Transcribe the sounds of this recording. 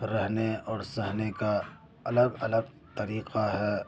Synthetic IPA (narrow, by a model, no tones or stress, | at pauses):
ɾɛɦneɔːɾsɛɦneka | ɐləɡɐləɡ̚ | t̪ɐɾiːqʰaɦɛː